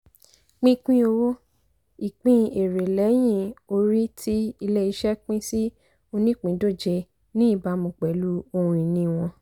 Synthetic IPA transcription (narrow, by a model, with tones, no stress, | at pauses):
k͡pĩ˦k͡pĩ˦o˧wo˦ | i˨k͡pĩ˦e˨ɾe˨lɛ˨˦j̃ĩ˦˧o˧ɾi˦tʰi˦i˧lɛ˦i˧ʃɛ˦k͡pĩ˦si˦ | o˧nĩ˦k͡pĩ˨˦do˦˨d͡ʒe˧ | nĩ˦i˦˨ba˧˦mũ˨˧k͡pɛ˨lu˨˦o˧ũ˧˨i˨nĩ˧w̃ɔ̃˧